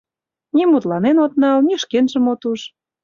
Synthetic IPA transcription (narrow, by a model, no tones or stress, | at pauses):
nʲimut̪lɑnenot̪̚nɑlniʃkenʒə̆mot̪uʃ